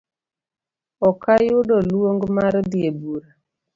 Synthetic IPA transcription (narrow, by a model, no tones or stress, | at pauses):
ɔkajʊdɔlwoŋɡmaɾdjebuɾa